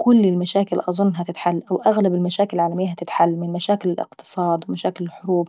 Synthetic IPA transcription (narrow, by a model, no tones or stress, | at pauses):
kʊlːɪlmaʃaːkɪlʔɑzˤʊnːɦat̪ɪt̪ħalːʔawʔaɣlabɪlmaʃaːkɪlɪlʕaːlamɪjːaɦat̪ɪt̪ħalːmɪnlmaʃaːkɪlɪlʔɪ̰qt̪ɨ̥sˤɑːd̪wɪmaʃaːkɪlɪlħʊɾuːb